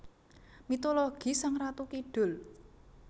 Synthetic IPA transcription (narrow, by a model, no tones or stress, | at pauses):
mit̪olɔɡ̥i̤saŋrat̪ukiɖ̥ʊ̤l